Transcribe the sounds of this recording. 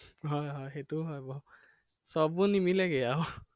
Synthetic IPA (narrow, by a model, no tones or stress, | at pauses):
ɦɔjɦɔjxetʊɦɔjbɔ | sɔbunimilɛɡɛaw